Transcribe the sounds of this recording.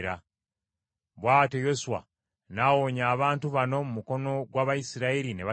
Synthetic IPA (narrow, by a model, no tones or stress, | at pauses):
ɾa | βwaːtejo̞suwa̰ | nawoɲaːβaːntuβano̞mumuko̞no̞ɡwaːβajisiɾaiɾineβa